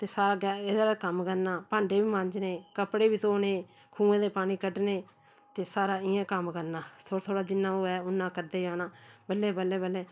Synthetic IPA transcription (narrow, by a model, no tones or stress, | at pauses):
t̪eːsaːɾaːɡaːeːd̪aːakəmkəɾnaːpãːɳɖeːʋiːmãɲd͡ʒneːkəpɽeːbiːt̪oːneː | kʰũːẽːd̪eːpaːniːkəɖneː | t̪eːsaːɾaːɪãːkəmkəɾnaːt̪ʰot̪ʰoːɽaːd͡ʒɪnːãːoːɛːʊnːãːkəɾd̪eːd͡ʒaːnãːbəlːeːbəleːbəleː